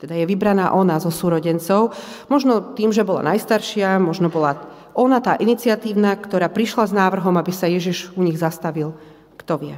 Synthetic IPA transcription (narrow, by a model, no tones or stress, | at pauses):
t̪ɛd̪ajɛʋibɾanaːʔɔnazɔsuːɾɔɟɛnt͡sɔʊ | mɔʒnɔt̪iːmʒɛbɔla̰najst̪aɾʃɪamɔʒnɔbɔla | ɔnat̪aːʔinit͡sɪat̪iːʊnakt̪ɔɾaːpɾiʃlaznaːʋr̩ɦɔmabisajɛʒiʒuɲiɣzast̪aʋil | kt̪ɔʋɪɛ